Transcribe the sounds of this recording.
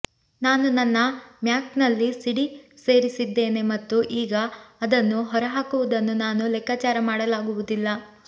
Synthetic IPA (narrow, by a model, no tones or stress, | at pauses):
naːnunɐnːɐmjaːknɐlːisiɽise̞ːɾisid̪ːe̞ːne̞mɐt̪ːuʔiːɡɐɐd̪ɐnːuɦɔɾɐɦaːkuʋud̪ɐnːunaːnulɛkaːt͡ʃaːɾɐmaːɽɐlaːɡuʋud̪ilːɐ